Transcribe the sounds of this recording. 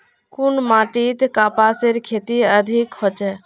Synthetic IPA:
kunmaʈit̪kapaseɾkʰet̪iəd̪ʱikɦot͡ʃɛ

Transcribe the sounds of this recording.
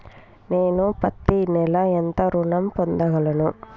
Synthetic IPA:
neːnupɐt̪ːinɛlɐɛnt̪ɐɾuɳɐmpɔnd̪ɐɣɐɭɐnu

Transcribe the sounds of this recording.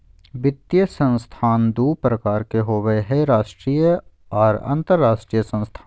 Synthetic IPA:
bɪt̪ːjəsə̃nst̪ʰaːnd̪uːpɾəkaːɾkeɦoːʋəeɦɛɾaːʃʈɾiːjə | ɔːɾə̰̃nt̪əɾːaːʃʈɾijəsə̃nst̪ʰaː

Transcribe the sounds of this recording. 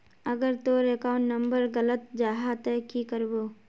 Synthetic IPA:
əɡəɾt̪oɾekaːʊ̃ɳʈnə̃mbəɾɡələt̪̚d͡ʒaːɦat̪ɛkikəɾboː

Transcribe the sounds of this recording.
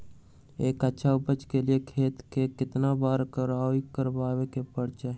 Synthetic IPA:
ekətːʃʰaupət͡ʃkelijekʰet̪kekɪt̪nabaɾkəɾaikəɾbabekepəɽt͡ʃaɦ

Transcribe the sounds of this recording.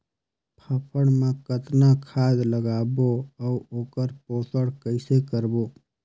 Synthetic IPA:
pʰəpʰəɽ̃mẽkət̪nakʰaːd̪ləɡaːboəuoːkəɾpoːsəɽkəɪsekəɾbo

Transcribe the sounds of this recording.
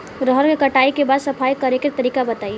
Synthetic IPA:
ɾɔɦəɾkekɐʈaːikebaːd̪sɐpʰaːikɐɾeket̪ɐɾiːkabɐt̪aːi

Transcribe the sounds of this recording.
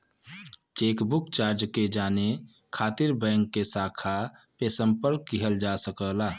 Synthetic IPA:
t͡ʃeːkbʊkt͡ʃaːɾd͡ʒked͡ʒaːne | kʰaːt̪iɾbɛ̃ŋkːesaːkʰapesəmpəɾkːiɦəld͡ʒasəkəlaː

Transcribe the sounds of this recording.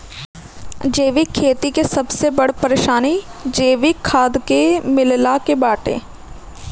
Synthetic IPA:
d͡ʒeːʋikʰːeːt̪ikesɐbsebɐɽpəɾeːʃaːnid͡ʒeːʋɪkʰːaːd̪kemɪllakebaːʈḛ̃ː

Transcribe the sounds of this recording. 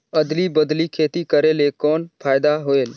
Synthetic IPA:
əd̪libəd̪likʰeːt̪ikəɾelekɔːnpʰaːɪd̪aɦoeːl

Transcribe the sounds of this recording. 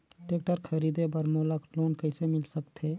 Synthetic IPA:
ʈeːkʈəɾkʰəɾiːd̪ebəɾmoːləkloːnkəɪsemɪlsəkt̪ɦeː

